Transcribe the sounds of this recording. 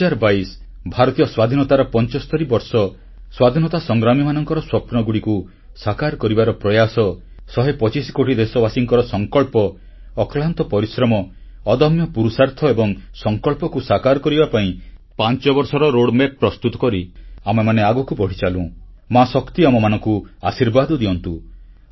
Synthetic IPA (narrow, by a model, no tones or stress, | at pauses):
aɾbais | bʱaɾɔt̪ijɔswad̪ʱinɔt̪aɾɔpɔnt͡ʃɔst̪ʰɔɾibɔɾsɔ | swad̪ʱinɔt̪asɔŋɡɾamimanɔŋkɔɾɔswɔpnɔɡuɽiku | sakaɾkɔɾibaɾɔpɾɔjasɔ | sɔɦepɔt͡ʃisikoʈid̪esɔbasiŋkɔɾɔsɔŋkɔɭpɔː | klant̪ɔpɔɾisɾɔmɔː | d̪ɔmjɔpuɾusaɾt̪ʰɔebɔŋsɔŋkɔlpɔkusakaɾkɔɾibapaĩ | pant͡ʃɔbɔɾsɔɾɔɾoɽmeppːɾɔst̪ut̪ɔ̥kɔɾiamemaneaɡɔkubɔɽ̤it͡ʃalũ | masɔkt̪iamɔmanɔ̃ŋkuasiɾbad̪ɔd̪iɔnt̪u